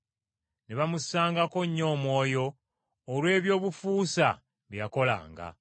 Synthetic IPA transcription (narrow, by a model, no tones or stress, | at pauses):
neβamusaːŋɡako̞ɲːo̞ːmwo̞ːjo̞ː | lwe̞ːβjo̞ːβufuːsa̰ | βjjako̞la̰ːŋɡa̰